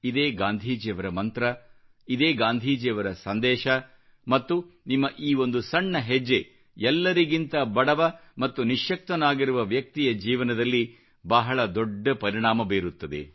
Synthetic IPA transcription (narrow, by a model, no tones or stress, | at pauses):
id̪eːɡaːnd̪ʱiːd͡ʒjɐʋɐɾɐmɐnt̪ɾɐ | id̪eːɡaːnd̪ʱiːd͡ʒjɐʋɐɾɐsɐnd̪ɛːʃɐ | mɐt̪ːunimːɐʔiːo̞nd̪usɐɳːɐɦed͡ʒːe | ɛlːɐɾiɡint̪ɐbɐɽɐʋɐmɐt̪ːuniʂjɐk̚t̪ɐnaːɡiɾuʋɐʋjɐk̚t̪ijɐd͡ʒiːʋɐnɐd̪ɐlːi | bɐɦɐɭɐd̪oɖːɐpɐɾiɳ̃aːmɐbeːɾut̪ːɐd̪ḛ